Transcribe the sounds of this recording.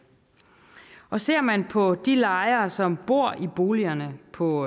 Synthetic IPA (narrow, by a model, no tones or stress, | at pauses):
ɒ̽se̝ɐ̰mænpʰɒ̽d̥ilɑ̈ɪɐsɒ̽mb̥o̝ɐ̰ʔib̥o̝ːliɐnəpʰɒ̽